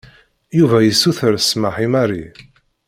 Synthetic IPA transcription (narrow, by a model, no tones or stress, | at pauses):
juvæjəsːuθəɾsməħimaɾi